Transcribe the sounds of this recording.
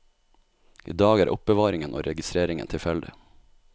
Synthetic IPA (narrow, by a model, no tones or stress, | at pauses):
ʔḭːd̪ɑːɡæːɾʔʊp̚bəʋɑːɾɪŋənʔo̰ːɾɛɡɪst̪ɾeːɾɪŋə̰nt̪ʰɪlfɛld̪ɪ̰